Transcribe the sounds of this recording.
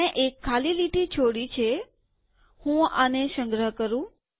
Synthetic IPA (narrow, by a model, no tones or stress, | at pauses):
eʔekʰːaliliʈʰit͡ʃʰoɽit͡ʃʰe | hũaneʃəŋɡɾəɦkəɾũ